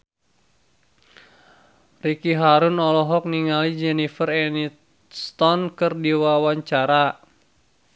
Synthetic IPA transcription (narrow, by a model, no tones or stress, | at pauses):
rikiɦaɾunɔlɔɦɔk̚niŋalid͡ʒɛnifərɛnit̪ | st̪ɔnkɨrdiwawaɲt͡ʃaɾa